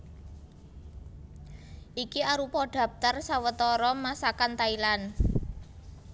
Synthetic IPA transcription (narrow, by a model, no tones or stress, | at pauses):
ʔikiaɾupɔɖ̥ä̤p̚t̪ərsawət̪ɔɾɔmasakant̪ailan